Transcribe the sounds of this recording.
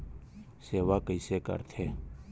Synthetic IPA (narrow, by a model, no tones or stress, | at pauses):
seːʋaːkəiseːkə̰ɾt̪ʰeː